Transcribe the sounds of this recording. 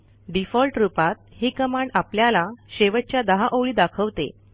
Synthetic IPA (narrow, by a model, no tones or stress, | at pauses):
ɖifɔlʈɾupat̪̚hiːkəmaɳapljalaɕeʋət͡ɕjad̪əɦaʔoʋɭiːd̪akʰəʋt̪ḛ